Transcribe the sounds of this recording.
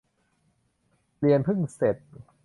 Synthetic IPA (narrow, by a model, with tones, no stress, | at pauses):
li˧ənpʰɯ˥˩ŋse˨˩t̪̚